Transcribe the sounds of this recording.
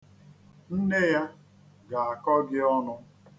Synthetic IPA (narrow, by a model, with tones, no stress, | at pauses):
n̩˦ne˦ja˦ | ɡa˨a˨kɔ˦ɡɪ˦ɔ˦nʊ˦